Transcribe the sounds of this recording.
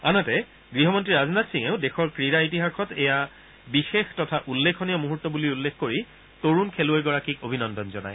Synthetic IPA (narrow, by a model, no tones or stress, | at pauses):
anatɛ | ɡɹiɦɔmɔntɹiɹaznatsiŋeʊdexɔɹkɹiɹaitiɦaxɔtɛja | bixextɔtʰaʔulːekʰɔnijɔmuɦutːɔbuliulːexkoɹi | toɹunkʰeluejɡɔɹakikobʱinɔndɔnzɔna̰j